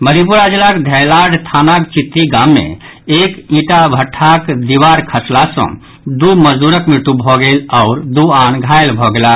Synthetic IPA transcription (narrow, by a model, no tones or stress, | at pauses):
məɾipuɾad͡ʒelakd̪ʱɛjlaɽt̪ʰanakt͡ʃit̪ːiɡamːḛ̃ | ekĩʈabʱəʈʰːakd̪iʋaɾkʰəslasə̰̃ | d̪uməd͡ʒd̪uɾəkmeʈubʱɔɡelɔʊɾd̪uanɡʱajlbʱɔɡela